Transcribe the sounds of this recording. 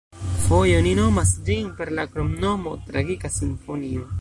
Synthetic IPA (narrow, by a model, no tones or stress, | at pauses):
fo̞jo̞nino̞masd͡ʒinpe̞ɾlakɾomno̞mo̞tɾaɡikasinfo̞nio̞